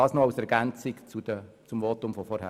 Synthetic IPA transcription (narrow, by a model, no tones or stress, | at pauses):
ɑːsnɔaʊsɛɾɡænt͡sɪkt͡sudə | t͡sʊmʋoːtʊmfɔfɔɾhæ̰